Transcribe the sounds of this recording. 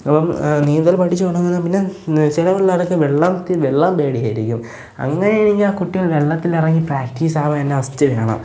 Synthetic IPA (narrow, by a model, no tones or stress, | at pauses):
ɐpːɐmniːnd̪ɐlpɐʈʰːit͡ɕːɨkoːɳɐnenːampinːet͡ɕilɐʋeɭːarkːɨʋeɭːɐmt̪iʋeɭːɐmbe̞ːɽijaːjiɾḭkʲːum | ɐ̰ŋːɐnejɳiŋɡiakuʈːiɣɐɭʋeɭːɐt̪ːilɐrɐŋːipraːk̚ʈiːsaːʋ̪ɐnːeʋɐsi̥t͡ɕːɨʋeːɳɐ̰m